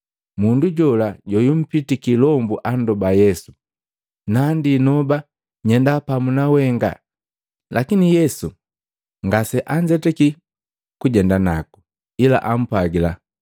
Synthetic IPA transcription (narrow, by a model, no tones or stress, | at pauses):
munduɟɔlaɟɔjum̩pitikilɔmbuʔandɔbajɛsu̥ | nandinɔba | ɲɛndapamunawɛŋɡa̰ | lʔakinijɛsu | ŋɡasɛʔaɲd͡ʒɛtɛki | kuɟɛndanaku̥ | ila̰ʔam̩pwaɡila